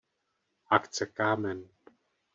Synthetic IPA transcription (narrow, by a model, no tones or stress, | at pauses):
akt͡sɛkaːmɛn